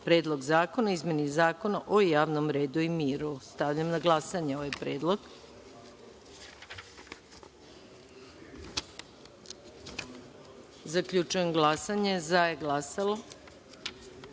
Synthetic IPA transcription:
pɾe̞ːd̪lˠo̞ɡzaːko̞naizme̞nizaːko̞naʔojaːʋnomɾe̞ːd̪uimiːɾust̪aʋʎamnaɡlˠasaɲeoʋajpɾe̞ːd̪lˠoɡ | zakʎut͡ʃujemɡlˠasaɲezajeɡlasalˠo

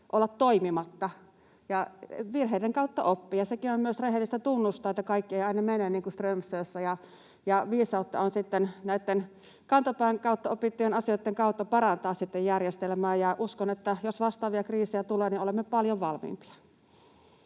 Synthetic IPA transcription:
ʔolːɑt̪toimimɑt̪ːɑ | jɑʋirɦeideŋkɑut̪ːɑʔopːijɑsekinommyøsreɦelːist̪æt̪unːust̪ˑɑːˑet̪ːɑkɑikːieiɑinɑmenenniːŋkust̪rømsˑøːsːæjɑ | jɑʋiːsɑut̪ːɑ̰onsit̪ːennæˑit̪ːen | kɑnt̪ɑpæːŋkɑut̪ːɑopit̪ːujenɑsioˑit̪ːeŋkɑut̪ːɑpɑrɑnt̪ɑːssit̪ːejjærjest̪elmæːjjɑʔuskonet̪ːæjosʋɑst̪ɑːʋiɑkriːsejæt̪uleːniolemːepɑljoʋʋɑlmḭːmpi̥ɑ̥

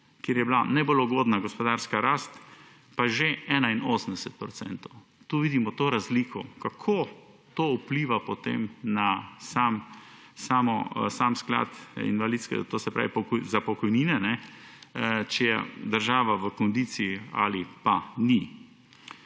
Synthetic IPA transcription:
kjeːɾjɛbilanɛbolɔuɡoːd̪naɡɔspɔd̪aːɾskaɾaːst̪ | paʒeɛːnainoːsəm̩d̪ɛsɛt̪̚pɾɔt̪sɛ̰nt̪ɔw | t̪uːʋiːd̪imɔt̪oːɾazliːkʰɔkakʰo | t̪oːupliːʋapɔt̪ḛmnasaːm | saːmɔsaːmskla̰t̪ḭnʋalit̪skɛ̰t̪oːsɛpɾa̰ːʋipɔkɔzapɔkɔjniːnɛnɛ | t͡ʃɛjɛ̰d̪əɾʒaːʋaʋəkɔnd̪iːt̪siia̰lipani

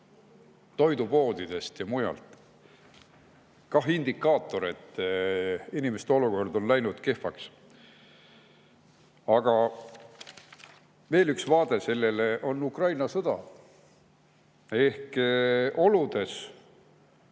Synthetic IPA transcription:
t̪o̞jd̪upo̞ːd̪̥id̪̥e̞st̪jɑmujɑ̰lt̪ˑ | kɑɦind̪ikːˑɑːt̪ːˑo̞ɾe̞t̪ː | inimest̪eo̞luko̞rd̪o̞nlæjnud̪̥ke̞fɑks | ɑɡ̥ɑ | ve̞ːlyksvɑːd̪̥e̞se̞lːe̞leʔo̞nːukrɑjnɑsɤd̪̥ɑ̰ | e̞hk | o̞lud̪̥e̞s

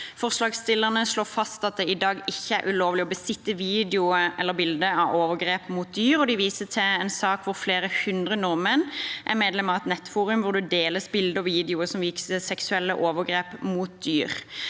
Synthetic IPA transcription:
fɔʁslɑːɡst̪ɪlːəʁnəsloːfɑst̪ɑt̪̚d̪ɛɪd̪ɑːɡɪçːəæɾʔʉloːʋlɪɔbəsɪt̪ːəʋiːd̪ɛʊəɛlːəɾbɪld̪əɑʋoːʋəɡɾeːpmuːt̪̚d̪yːɾɔd̪ɪʋiːsət̪ʰɪɛnsɑːkʋʊɾfleːɾəhʉnd̪ʁənʊʁmənʔæ̰ʁmeːd̪lɛmɑʋɛt̪nɛt̪ːfuːɾʉmʋʊɾd̪ʉd̪eːləsbɪld̪əɔʋiːd̪ɛʊəsɔmʋiːksɛsɛksʉɛlːə̰ʔoːʋəɡɾeːpmuːt̪̚d̪yːʁ

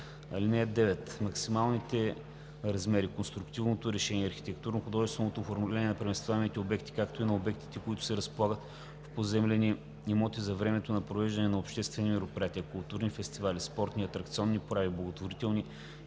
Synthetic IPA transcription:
ɐ̰linɛjd̪ɛvɛt̪mɐksimalˠnit̪ɛ | ɾɐzmɛɾikonst̪ɾukt̪ivnot̪oɾɛʃɛniɛɐɾxit̪ɛk̚t̪uɾnoxʊd̪ɔʒɛst̪vɛnot̪oːfoɾmulʲɛnʲiɛnɐpɾɛmɛst̪vaɛmit̪ɛobɛkt̪i̥kakt̪oinɐobɛk̚t̪i̥t̪ɛkoit̪ʊ̥sɛɾɐspolˠaɡət̪ | fpozɛmlɛni | nimɔt̪izɐvɾɛmɛt̪onɐpɾovɛʒd̪ɐnɛnɐopʃt̪ɛst̪vɛnimɛɾopɾijat̪iəkʊlˠt̪uɾnifɛst̪ivalispɔɾt̪niɐt̪ɾɐkt̪siɔnːipoɾaviblˠɐɡot̪voɾit̪ɛlˠni

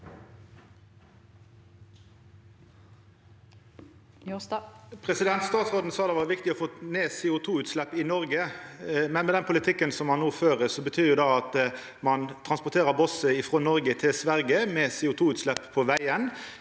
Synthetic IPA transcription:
pʰʁɛsɪd̪ɛnt̪st̪ɑːt̪sʁoːd̪n̩sɑːd̪ɛʋɑːʁʋɪkt̪ɪɔfoːneːseːʊt̪ʰuːʉːt̪slɛpːɪnɔʁɡəmɛnmɛːd̪ɛnpʰʊlɪt̪ʰɪkːənsɔmhɑnːoːføːʁəsɔbət̪ʰyːʁjʊːd̪ɑɑt̪ | mɑnt̪ʰʁɑnspʊt̪ʰeːʁəbɔsəɪfʁoːnɔʁɡət̪ʰɪsʋæʁɡəmeːseːʊt̪ʰuːʉːt̪slɛpːpʰːoːʋæɪən

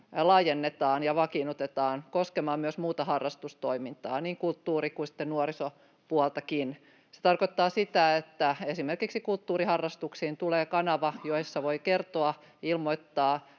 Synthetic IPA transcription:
lɑːjenːet̪ɑːnjɑʋɑkinut̪et̪ɑːnkoskemɑmmyøsmuːt̪ɑhɑrːɑst̪ust̪oimint̪ɑ̰ːniːŋkult̪ːuːrikuisi̥t̪ːennuoɾiso | puɑlt̪ɑkin | se̥t̪ɑrkot̪ːɑːsit̪æet̪ːæesimerkiksikult̪ːuːrihɑrːɑst̪uksiːnt̪uleːkɑnɑʋɑjoisːɑʋoikert̪oɑ | ilmoit̪ːɑː

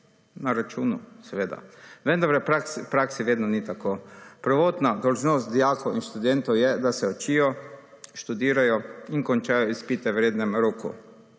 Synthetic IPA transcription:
naɾat͡ʃuːnusɛʋeːd̪a̰ʋɛnd̪aɾɾɛpɾakspɾaksiʋeːd̪nɔnit̪akoːpɾʋot̪nad̪olʒnoːst̪̚d̪ijaːkowinʃt̪ud̪ɛnt̪ɔwjɛd̪asɛot͡ʃiːjɔ | ʃt̪ud̪iːɾajɔiŋkont͡ʃajɔispit̪ɛʋɾʲeːd̪nɛmɾoːkṵ

